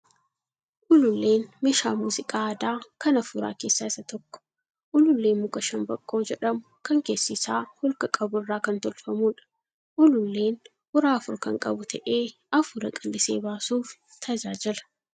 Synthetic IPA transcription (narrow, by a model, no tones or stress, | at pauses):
ʔʊlʊlːe̞ːnmɛʃaːmuːzɪkʼaːɐd̪aːkɐnɐfuːɾa̰ːke̞ːsːaːɪsɐt̪ɔkːɔ̥ | ʔʊlʊlːe̞ːnmʊkʼɐʃɐnbɐkʼːoːd͡ʒɛᶑɐmʊkɐŋke̞ːsːɪsaːhɔlkɐkʼɐbʊɪrːaːkɐnt̪ɔlfɐmuːᶑɐ̥ | ʔʊlʊlːe̞ːn | hʊɾaːɐfʊɾkɐŋkʼɐbʊt̪ʰɐʔeː | ɐfʊɾɐkʼɪlːɪsḛːbaːsuːf | t̪ʰɐd͡ʒaːd͡ʒɛlɐ̥